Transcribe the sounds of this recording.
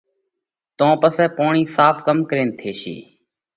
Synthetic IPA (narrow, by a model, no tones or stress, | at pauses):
t̪õːpəsɛːpoːɳiːsaːpʰkəmkəɾeːnt̪ʰeːʃḭː